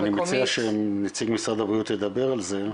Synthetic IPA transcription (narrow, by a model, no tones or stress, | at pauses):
nimet͡siaʃemnit͡siɡmisʁad̪abʁijut̪led̪abeʁalze̞